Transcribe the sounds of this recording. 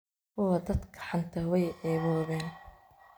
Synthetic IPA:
wʊwɑd̪ɐd̪kʰɐ̥ħant̪ʰɐwɛjʔɛːβɔːβɛːn

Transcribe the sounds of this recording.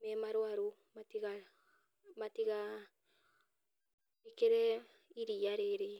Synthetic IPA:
mɛmaɾwaɾo | matiɣa | matiɣa | ikeɾɛ | iɾiaɾeɾe

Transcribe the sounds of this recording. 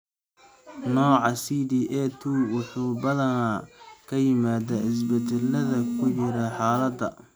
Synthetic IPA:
nɔːʕɑsiːd̪iːʔɛt̪ʰuwʊħuːbɐðɐnakʰɐjɪmaːd̪aːɪs̬bɛd̪ɛlɐðɐkʰʊt͡ʃɪɾaħɑːlɐd̪ɐ̰

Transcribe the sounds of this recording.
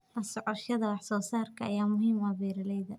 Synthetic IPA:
ʔɐsɔʕɔʃɐðɐwɑħsɔːsaːrkʰɐʔɐ̰jaːmʊɦiːmwɑβiːɾɪlɛjðɐ

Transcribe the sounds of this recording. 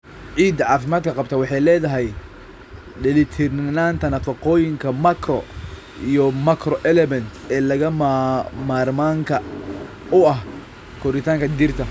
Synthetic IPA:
ʕiːd̪ɐʕɑːfɪmaːd̪kʰɐqɑb̚t̪ʰɐwɑħɑjlɛːðɐɦɛj | ɖɪlɪt̪ʰɪrnaːnt̪ʰɐnɐfɐqɔːjɪŋkʰɐmɐkʰrɔ | ijɔmɐkʰrɔʔɛlɛmɛnt̪ʰɛːlɐɣɐ | maːrmaːŋkʰɐ | ʊɐɦ | kʰɔɾɪt̪ʰaːŋkʰɐd̪ɪrt̪ʰɐ

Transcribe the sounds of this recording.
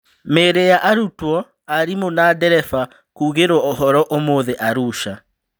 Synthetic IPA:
meːɾejaʔaɾutwɔ | aɾimonadɛɾɛfa | kuːɣeɾwɔɔɦɔɾɔʔomoːðɛʔaɾuʃa

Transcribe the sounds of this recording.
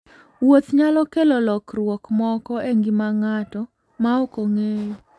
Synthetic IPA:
wot̪ɲalɔkelɔlɔkɾwɔkmɔkɔeŋɡɪmaŋatɔ | maokoŋe

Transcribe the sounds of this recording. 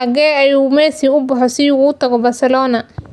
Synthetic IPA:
ɐɣɛːɐjuːmɛːsiʊbɐħɔsiuːt̪ʰɐɣɔbɐrsɛlɔːnɐ

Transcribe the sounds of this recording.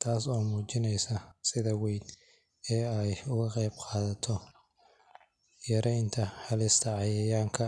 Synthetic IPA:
t̪ʰaːsɔːmuːt͡ʃɪnɛjsɐsɪðɐwɛjd̪ | ɛːɛjʊɣɐqɛjbqɑːðɐt̪ʰɔ | jɐɾɛjnt̪ʰɐhɐlɪst̪ʰɐʕɑjɐjaːŋkʰɐ

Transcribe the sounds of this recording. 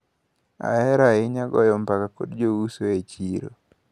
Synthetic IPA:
a̰ɛɾaɪɲaɡɔ̰jɔmpakako̰dd͡ʒousoet͡ʃiɾo̰

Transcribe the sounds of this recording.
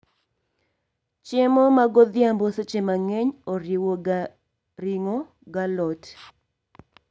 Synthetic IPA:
t͡ʃemɔmaɡɔd̪jambɔset͡ʃemaŋeɲoɾiwo | ɾiŋo | ɡalɔt

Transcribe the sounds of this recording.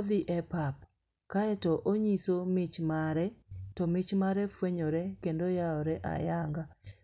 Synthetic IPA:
ðɪʔɛpap | kaɛtɔʔoɲisomɪt͡ʃmaɾɛtɔmɪt͡ʃmaɾɛfweɲoɾɛkendojaɔɾɛʔa̰jaŋɡa

